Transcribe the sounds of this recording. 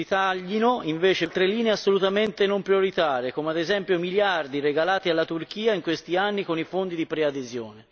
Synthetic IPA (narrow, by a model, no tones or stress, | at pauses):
it̪aʎːinoiɱveːt͡ʃelt̪ɾelːiːneasːolut̪ament̪enompɾjoɾit̪aːɾekoːmead̪ezɛmpjomiljard̪ireɡalaːt̪ialːat̪urk̟iːaiŋkwest̪ianːikonifond̪id̪ipɾead̪ezjoːne